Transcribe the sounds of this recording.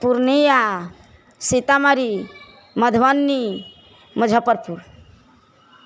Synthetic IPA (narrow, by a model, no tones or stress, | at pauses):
puɾnija | sit̪amaɾi | məd̪ʱʋanːi | məd͡ʒʱapəɾpuɾ